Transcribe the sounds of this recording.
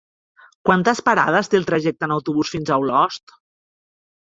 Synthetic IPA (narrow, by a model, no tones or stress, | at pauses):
kwant̪əspaɾað̞əst̪eːlˠt̪ɾəʒɛk̚t̪ənəwt̪uβ̞usfinzawlɔst̪